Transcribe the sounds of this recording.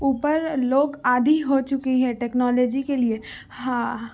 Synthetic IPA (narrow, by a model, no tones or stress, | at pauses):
uːpəɾloːɡaːd̪ʱiɦot͡ʃʊkiɦɛ̃ʈɛːknɔːloːd͡ʒikelie | hãː